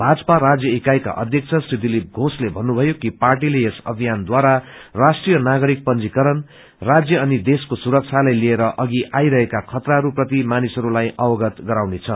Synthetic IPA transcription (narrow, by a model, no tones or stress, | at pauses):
bʱad͡zʌ̥parad͡zjʌikajka̰ʔʌ̰d̪ʱjʌk̚t͡sʰʌsrid̪ilip̚ɡʱoslebʱʌnːubʱʌjokiparʈ̬ilejesʌ̰bʱijand̪waɾarasʈrijʌnaɡʌɾik̚pʌnd͡zikʌɾʌn | rad͡zjʌːnid̪eskosuɾʌk̚t͡sʰalajlieɾʌʔʌɡiʔajɾʌɦekakʰʌt̪raɦʌɾuprʌt̪̬imanisʌɾulajʔʌwʌɡʌt̪ɡʌɾawnet͡sʰʌ